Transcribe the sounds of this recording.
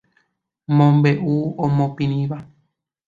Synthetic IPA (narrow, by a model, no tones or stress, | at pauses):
mõmbeʔuõmõpĩñĩʋa